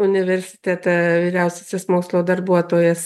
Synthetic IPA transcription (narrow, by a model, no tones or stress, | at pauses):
ʊnʲɪʋʲɛɾʲsʲɪ̥t̪ʲæt̪ɐʋʲiːɾʲɛʊsʲɛsʲɛsmoːkslˠoːd̪ɐrbuɔt̪oːjɛs